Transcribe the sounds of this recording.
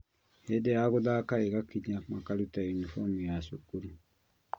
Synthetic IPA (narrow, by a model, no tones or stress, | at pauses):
hedejaɣoðakaeɣakiɲamakalutajunifɔmujasukuɾu